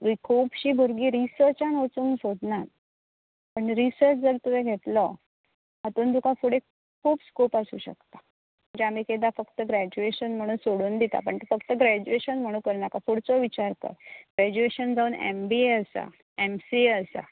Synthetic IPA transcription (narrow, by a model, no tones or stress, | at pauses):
ʋikʰopɕiːbʱəɾɡiːɾisəɾt͡ɕanot͡suːnsoɽnaɾ | pəɳɾisəɾt͡ɕd͡zəɾt̪uʋeɡʱet̪lɔ | at̪uːnd̪ukãfuɽe | kʰuːpskopasṵːɕə̰kt̪ḁ | m̤əɳd͡ʑeam̤iːked̪afəkt̪əɡɾæd͡ʑueɕənm̤əɽ̃uːnsoɽuːnd̪it̪a̰pəɳt̪efəkt̪əɡɾæd͡ʑueɕənm̤əɽ̃uːkəɾnakafʰuɽt͡sɔʋit͡ɕaɾkə̰ɡɾæd͡ʑueɕənd͡zauːnḛmbieəsa̰ | emsieəsa̰